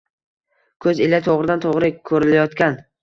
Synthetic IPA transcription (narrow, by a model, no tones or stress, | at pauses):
kʰɵzelat̪ʰoʁɾɪd̪ant̪ʰoʁɾɪkʰɵɾɪlajɒt̪kʲan